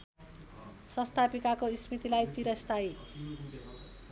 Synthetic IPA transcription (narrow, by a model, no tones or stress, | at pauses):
sʌst̪ʰapikakoisrit̪ilajt͡siɾʌst̪ʰaj